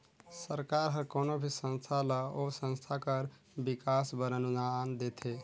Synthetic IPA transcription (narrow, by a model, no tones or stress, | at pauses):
səɾkaɾɦəkonobʱisə̃nst̪ʰaləosə̃nst̪ʰakəɾ | bikasbəɾənunand̪et̪ʰe